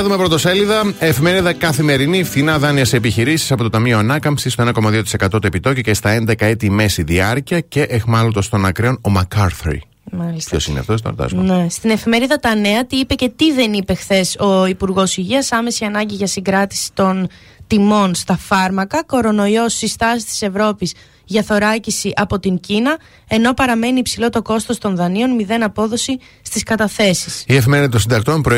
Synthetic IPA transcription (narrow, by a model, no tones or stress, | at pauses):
ɐðume̞pɾot̪oseliðɐefime̞ɾiðɐkɐθime̞ɾiniefθinɐðɐniɐsepiçiɾisisɐpo̞t̪ot̪ɐmio̞ɐnɐkɐmpsist̪o̞enɐko̞mɐðiot̪isekɐt̪o̞t̪ue̞pit̪o̞cocest̪ɐe̞nd̪e̞kɐe̞t̪ime̞siðiɐɾciɐce̞ʔexmɐlod̪ost̪o̞nɐkɾeo̞no̞mɐkɐɾθɾḭ | mɐlip̪ço̞̰sinḛft̪ost̪o̰ɾd̪ɐ̰zmnest̪ine̞fime̞ɾiðɐt̪ɐneɐt̪iipe̞ce̞t̪iðe̞nipe̞xθe̞so̞ipuɾɣo̞siʝiɐsɐme̞siɐnɐɲɟiʝɐsiɡɾɐt̪i̥si̥t̪o̞n | t̪imo̞nst̪ɐfɐɾmɐkɐko̞ɾo̞no̞io̞sːist̪ɐsi̥st̪i̥se̞vɾo̞pis | ʝɐθo̞ɾɐcisiʔɐpo̞t̪iɲcinɐ | e̞no̞pɐɾɐme̞niːpsilo̞t̪o̞ko̞st̪o̞st̪o̞nðɐnio̞nmiðe̞nɐpo̞ðo̞si | st̪iskɐt̪ɐθe̞sisiefime̞ɾiðɐt̪osind̪ɐk̚t̪ompɾo